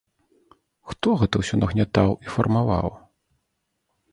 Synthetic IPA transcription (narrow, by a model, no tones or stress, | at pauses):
xt̪ɔɣɛt̪ɐwsʲɔnɐɣnʲat̪awifɐrmava̰w